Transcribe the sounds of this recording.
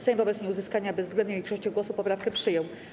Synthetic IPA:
sɛɛ̃mvɔbɛt̪sɲejuzɘskaɲabɛzɡlɛnd̪̚ɲɛ̃vʲikʂɔɕt͡ɕɔɡwɔsupɔpɾafkɛpʂɘjɔw

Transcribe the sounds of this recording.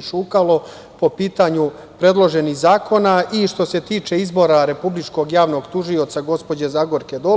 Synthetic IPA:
ʃukalo̞ | po̞piːt̪aɲu | pɾe̞d̪lˠo̞ʒe̞nihzaːko̞naiʃt̪o̞se̞t̪iːt͡ʃe̞izbo̞ɾaɾe̞publit͡ʃko̞ɡjaːʋno̞ɡt̪uʒio̞t̪saɡo̞spo̞d͡ʑezaɡo̞ɾked̪o

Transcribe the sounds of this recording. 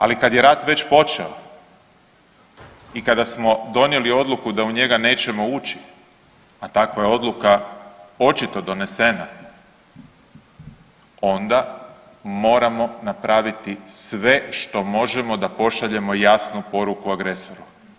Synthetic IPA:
a̰likad̪je̞ɾaːt̪ʋe̞t͡ɕpo̞t͡ʃḛo | ikad̪asmo̞d̪o̞nje̞lio̞d̪lukud̪auɲe̞ɡane̞ːt͡ɕe̞mo̞uːt͡ɕi̥ | at̪akʋajeo̞d̪lˠukao̞t͡ʃit̪o̞d̪o̞ne̞se̞na | o̞nd̪a | mo̞ːɾamo̞napɾaːʋit̪isʋe̞ʃt̪o̞mo̞ʒe̞mo̞d̪apo̞ʃaʎe̞mo̞jasnupo̞ɾukuaɡɾe̞so̞ɾu

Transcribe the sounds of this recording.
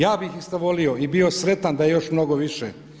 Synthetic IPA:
jaːbixist̪aʋolio̞ibio̞sɾe̞t̪and̪ajejo̞ʃmno̞ɡoʋiʃḛ

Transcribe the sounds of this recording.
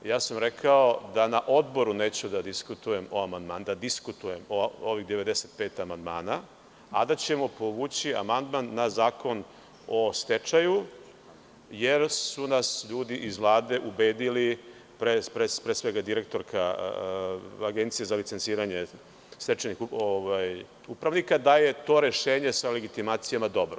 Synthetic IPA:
jaːsamɾe̞kʰao̞d̪anaʔo̞d̪bo̞ɾuneːt͡ɕud̪ad̪iskut̪uje̞mo̞amand̪maːnd̪ad̪iskut̪uje̞mooʋiɣd̪e̞ʋe̞d̪ese̞t̪̚pe̞ːt̪amand̪maːna | ad̪at͡ɕe̞mo̞po̞ʋuːt͡ɕia̰mand̪manːazaːko̞n | o̞st̪e̞t͡ʃaju | je̞ɾsunasʎuːd̪iʔizʋlˠaːd̪e̞ʔubeːd̪ili | pɾepɾepɾesʋe̞ɡad̪iɾe̞k̚t̪o̞ɾkʰa | aɡe̞nt̪sijezalit̪sent̪siːɾaɲe̞ | st̪et͡ʃenixoʋaj | upɾaʋnikad̪aje̞t̪o̞ːɾe̞ʃe̞ːɲe̞sale̞ɡit̪imaːt̪sijamad̪o̞bɾo

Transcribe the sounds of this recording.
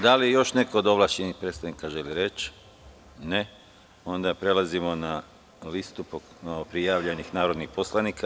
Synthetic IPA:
d̪aliejo̞ʃne̞ko̞ːd̪o̞ʋlˠaʃt͡ʃenixpɾet̪st̪aʋnikaʒe̞liɾe̞t͡ʃ | ne | o̞nd̪apɾe̞lazimo̞na | list̪upokopɾijaːʋʎenixnaːɾo̞d̪nixpo̞slˠanikʰa

